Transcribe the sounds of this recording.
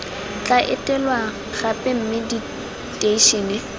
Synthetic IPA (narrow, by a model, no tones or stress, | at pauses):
t͡ɬʼaʔɪtʼɛlwa | ɣapʼɪm̩mɪdi | tʼeiʃɔnɪ